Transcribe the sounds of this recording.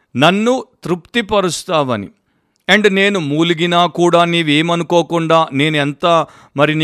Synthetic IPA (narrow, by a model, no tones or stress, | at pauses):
nɐnːut̪ɾupt̪ipɐɾust̪aːʋɐnḭ | eɳʈne̞ːnumuːluɡinaːkuːɽaːniːʋe̞ːmɐnuko̞ːkuɳɖaːne̞ːnuent̪aː | mɐɾinː